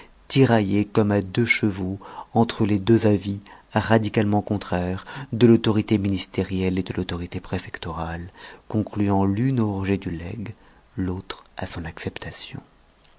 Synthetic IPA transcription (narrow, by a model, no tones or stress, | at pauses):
t̪iʁajekɔmad̪øʃəvoɑ̃t̪χəled̪øzaviaʁad̪ikalmɑ̃kɔ̃t̪χɛʁd̪əlot̪ɔʁit̪eminist̪eʁjɛled̪əlot̪ɔʁit̪epχefɛkt̪ɔʁalkɔ̃klyɑ̃lynoʁʒed̪ylɛ̰ɡ | lot̪χasɔ̃naksɛpt̪asjɔ̰̃